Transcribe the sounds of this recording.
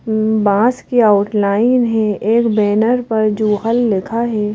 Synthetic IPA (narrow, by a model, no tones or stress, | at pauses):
bãːskiaʊʈlaːɪnɦɛ̃eːkbɛːnəɾpɐɾd͡ʒoːɦəlːɪkʰaɦɛː